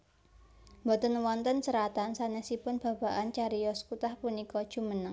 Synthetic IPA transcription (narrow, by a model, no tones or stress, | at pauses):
mbɔt̪ənwɔnt̪ənsəɾat̪ansanɛsipʊnb̥a̤b̥a̤ʔant͡ʃaɾijɔsə̥kut̪ahpunikɔd̥ʒ̥ṳmənəŋ